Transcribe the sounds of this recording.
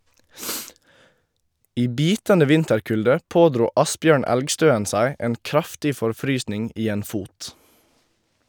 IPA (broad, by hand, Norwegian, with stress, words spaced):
ˈiː ˈbiːtəndə ˈʋɪntəɾˌkʉldə ˈpoːdɾuː ˈɑsbjøːɳ ˈɛlɡˌstøːən ˈsæɪ ˈeːn ˈkɾɑftɪ fɔɾˈfɾyːsnɪŋ ˈiː ˈeːn ˈfuːt